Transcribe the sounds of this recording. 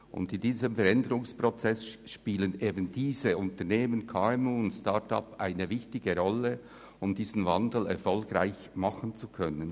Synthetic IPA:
ʔʊ̰ndɪndiːzəmfɛɾɛndəɾʊŋspʁɔt͡sɛsʃpiːləneːbənd̥iːzəʊntəʁneːmənkʰaːɛmuːʊntstɑtɑ̰pʔaɪnəvɪçtɪɡəʁɔlə | ʊmdiːzn̩vɑndl̩ɛ̰ɾfɔlɡʁaɪç | mɑχənt͡sukʰœnən

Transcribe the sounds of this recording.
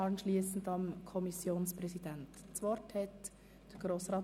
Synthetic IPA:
ɑnʃliːsn̩dɑmkʰɔmisjoːnspɾɛsid̥ɛntt͡sʋɔɾthɛt | d̥əɡ̥ɾoːsʁɑː

